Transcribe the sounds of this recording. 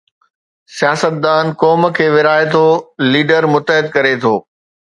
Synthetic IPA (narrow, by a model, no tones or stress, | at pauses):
sijaːsət̪̚d̪aːnkɔːmə̆kʰeːʋɪɾaːɪt̪ʰoːliːɖəɾmʊt̪əɦɪd̪̚kɐɾet̪ʰoː